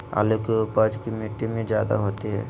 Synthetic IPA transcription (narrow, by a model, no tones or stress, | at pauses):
a̰ːlokeʊpəd͡ʒkimiʈːimẽd͡ʒjaːd̪a̰ɦoːt̪iɦɛ̰ː